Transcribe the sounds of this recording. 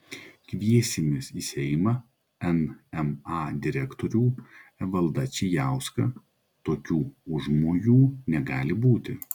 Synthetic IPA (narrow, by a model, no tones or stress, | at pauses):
kʋʲiɛsʲɪmʲɪsiːsʲɛmɐ | ɛnɛmɑːd̪ʲɪɾʲɛkt̪oːɾʲuːɛʋɐlˠd̪ɐt͡ʃʲɪjæˑʊskɐ | t̪oːkʲuːʊʒmoːjuːnʲɛɡɑːlʲɪbuːt̪ʲɪ